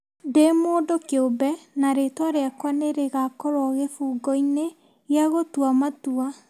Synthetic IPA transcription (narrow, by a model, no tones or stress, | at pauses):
demoːdokeobɛnaɾetwaɾeakwaneɾeɣakɔɾwaɣefuːɡɔine | jaɣotwamatua